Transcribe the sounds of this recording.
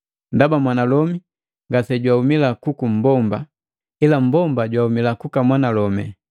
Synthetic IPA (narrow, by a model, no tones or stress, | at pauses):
ndabamwanalɔmi | ŋɡasɛɟwahumilakukum̩bɔmba | ilam̩bɔmbaɟwahumilakukamwanalɔmɛ